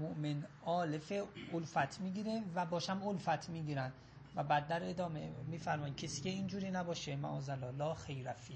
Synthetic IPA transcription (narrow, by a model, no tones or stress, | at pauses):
moʔmenɒːlefeolfæt̪ʰmiːɟiːɾevæbɒːʃæmolfæt̪ʰmiːɟiːɾæn | væbæd̪̚ːæɾed̪ɒːmemiːfæɾmɒːjid̪̚cʰesiːcʰeiːnd͡ʒuːɾiːnæbɒːʃemæ̰ʔɒːzælɒːlɒːxejɾæfiː